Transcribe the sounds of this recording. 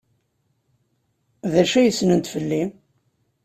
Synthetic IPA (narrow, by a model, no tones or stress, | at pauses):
ðæʃæjəsːnənt̪fəlːi